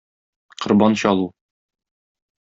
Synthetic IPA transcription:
qŏɾbɑnɕɒlˠu

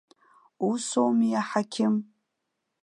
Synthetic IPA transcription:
uso̞wmijaħakʲʰɪm

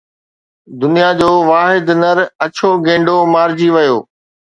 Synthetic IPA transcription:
d̪ʊnijad͡ʑoːʋaːɦɪd̪nəɾɐt͡ɕʰoɡẽːɳɖomaːɾd͡ʑiʋɐjoː

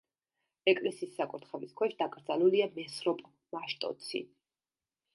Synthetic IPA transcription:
ɛkʼlɛsiːsːakʼut̪χɛviskʰwɛʃd̪akʼɾd̪zaluliamɛsɾɔpʼ | maʃt̪ʼɔ̰t̪sʰḭ

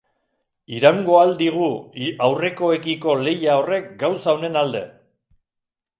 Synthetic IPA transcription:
iɾaŋɡo̞ald̪iɣ̞uawre̞ko̞e̞kiko̞le̞jao̞re̞kɡawsaone̞nald̪e̞̰

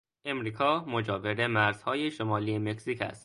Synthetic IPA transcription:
ʔe̞mɾiːkʰɒːmod͡ʒɒːve̞ɾe̞mæɾz̥hɒːjeʃomɒːliːeme̞ksiːcʰæ̰st̪

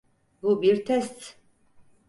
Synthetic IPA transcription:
ɡubiɾt̪ʰɛst̪t͡sʰ

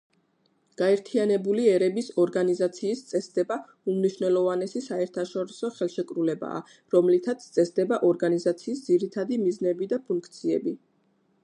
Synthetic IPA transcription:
ɡ̥aɛɾt̪ʰianɛbuliɛɾɛbisɔɾɡanizat̪sʰiːst̪sʼɛsd̪̥ɛba | umniʃvnɛlˠɔvanɛsisaɛɾt̪ʰaʃɔɾisɔχɛlˠʃɛkʼɾulɛba̰ː | ɾɔmlit̪ʰat̪sʰt̪sʼɛsd̪ɛbaʔɔɾɡanizat̪sʰiːsd̪ziɾit̪ʰad̪imiznɛbid̪apʰuŋkʰt̪sʰiɛbi

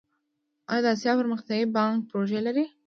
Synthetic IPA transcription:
ɑjɑd̪əɑs̬jɑpəɾməxt̪jɑɣibɑŋk̚pɾoʒelaɾi

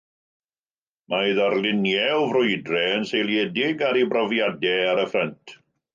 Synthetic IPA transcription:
maɨðarlˠɪnjɛlvrʊɨdrɛənsejlˠjɛdɪɡaɾibrɔvjadɛaɾəfrəntʰ

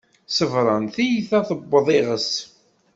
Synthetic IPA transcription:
səvɾˤɑnθijθæθəbːəðˤɪʁəs

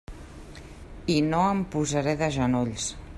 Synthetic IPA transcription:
inoəmpuzəɾɛðəʒənoʎs

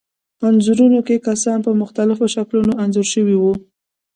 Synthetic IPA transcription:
anzuɾunokekasɑnpəmʊxt̪alɪfoʃaklunoʔanzʊɾʃəwiwu

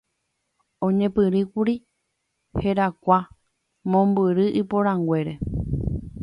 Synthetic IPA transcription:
õɲẽ̞pɨɾɨkuɾi | he̞ɾakʷa | mõmbɨɾɨʔɨpoɾãŋɡʷe̞ɾe̞

